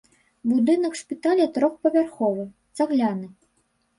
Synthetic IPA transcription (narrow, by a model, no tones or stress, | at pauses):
bud̪ɨnɐkʂpʲit̪alʲɛt̪ɾɔxpɐvʲarxɔvɨt̪saɣlʲanɨ